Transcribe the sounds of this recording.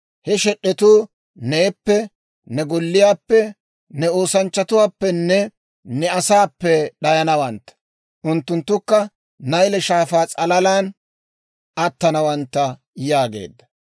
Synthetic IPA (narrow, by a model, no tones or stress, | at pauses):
hɛʃɛɗːɛt̪uː | neːpːɛ | nɛɡɔlːɪjaːpːɛ | nɛo̞ːsɐnt͡ʃːɐt̪ʊwaːpːɛnːɛ | nɛɐsaːpːɛɗɐjɐnɐwɐnt̪ːɐ̥ | ʔʊnt̪ːʊnt̪ːʊkːɐ | nɐjlɛʃaːfaːt͡sʼɐlɐlaːn | ɐt̪ːɐnɐwɐnt̪ːɐ | jaːɡḛːd̪ːɐ̥